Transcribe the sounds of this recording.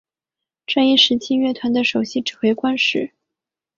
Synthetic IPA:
ʈ͡ʂa˥˧ni˥˩ʂɻ̩˧˥t͡ɕʰi˥ɥɛ˥˩t̪ʰwa˧˥nd̪ə˧ʂo˨˩ʊɕi˥ʈ͡ʂɻ̩˨˩xwe˧˥ɪkwa˥nʂɻ̩˧˥˦

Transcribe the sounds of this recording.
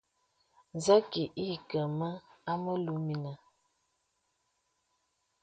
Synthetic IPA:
za˦ki˨ʔi˦˨kə˨mə˦a˦mə˦lu˨˦mi˨nə˨

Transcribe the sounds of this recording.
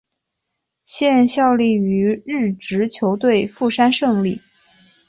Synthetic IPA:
ɕjɛ˥˧nɕjɑ˥˧ʊli˥˩y˧˥ɻɻ̩˥˩ʈ͡ʂɻ̩˧˥t͡ɕʰjo˧˥ʊt̪we˥˧ɪfu˥˩ʂa˥nʂɤ˥˧ŋli˥˩

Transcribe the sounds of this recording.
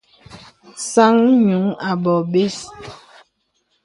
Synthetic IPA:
sa˦ŋɲu˨˦ŋa˨bɔ˨be˦s

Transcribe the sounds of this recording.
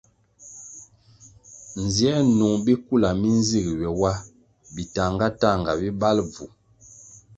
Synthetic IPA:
n˨zjɛ˦nu˨ŋbi˦ku˦˨la˨mi˦n˦zi˦˨ɡɥɛ˨wa˦ | bi˨ta˨ŋɡa˦ta˦˨ŋɡa˨bi˦ba˦lb͡vu˨

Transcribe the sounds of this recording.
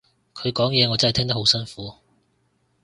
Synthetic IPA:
kʰɵ˨˧ɥkɔː˨˥ŋjɛː˨˧ŋɔ˨˧t͡sɐ˥n˨t̪ʰɛː˥ŋt̪ɐ˥hwsɐ˥nfuː˨˥

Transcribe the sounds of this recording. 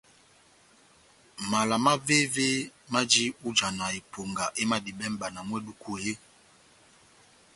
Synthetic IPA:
ma˨la˨ma˦ve˦ve˦ma˦d͡ʒi˦u˦d͡ʒa˨na˨e˨pʰo˨ŋɡa˨ʔe˦ma˦˨di˨bɛ˦m˦ba˨na˨mwɛ˦du˦ku˦˨e˦

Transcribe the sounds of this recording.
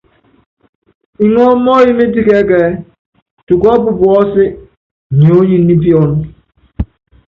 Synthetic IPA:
i˨n˦ɔ˦m˦ɔ˦ji˦me˦di˦ke˦ke˨˦ | tu˨kɔ˦bʊ˨bʊ˨ɔ˦sɪ˦˨ | ɲo˨˦ɲi˨˦ni˦pi˦ɔ˨n˦

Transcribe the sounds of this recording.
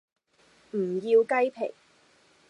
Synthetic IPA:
m̩˨˩jiː˧wkɐ˥jpʰe˨˩j

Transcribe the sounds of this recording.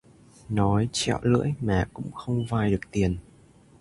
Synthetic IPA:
nɔ˨˦jt͡ɕɛ̰˧˨wlə̰˧˥əjmaː˨˩kʊ̰˧˥ŋ͡mxə˧wŋ͡mvaː˨˩jɗɨ˨˩ək̚t̪i˨˩ən

